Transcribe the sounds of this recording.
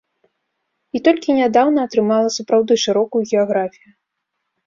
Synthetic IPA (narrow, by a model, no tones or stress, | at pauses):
it̪ɔlʲkʲinʲad̪awnɐːt̪ɾɨmalˠɐsupɾawd̪ɨʂɨɾɔkujuɣʲɛaɣɾafʲiju